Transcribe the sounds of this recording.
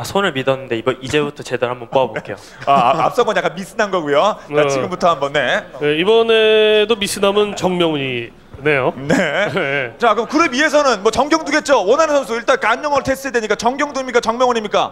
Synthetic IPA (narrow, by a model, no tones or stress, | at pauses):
sʰonɯɭmidʌnːɯnde̞ibʌid͡ʑe̞butʰʌt͡ɕe̞daɾhambʌnp͈oʌbok͈ejo̰ | aa̰p̚s͈ʌŋɡʌɲak͈anmis͈ʰɯnɦanɡʌɡujoat͡ɕiiɡɯmbutʰʌɦambʌnːe̞neibʌne̞domis͈ʰɯnamɯnt͡ɕʌŋmjʌŋuɲi | ne̞jone | t͡ɕakɯmkɯɾemie̞s̬ʰʌnɯnmwʌt͡ɕʌŋɡjʌŋduɡe̞t̚t͡ɕ͈owʌnanesʰʌsʰiɭt͈ankaɲːʌŋʌɭtʰe̞s͈ɯɦedweɲik͈at͡ɕʌŋɡjʌŋduimɲik͈at͡ɕʌŋmjʌŋʌɲimɲik͈a̰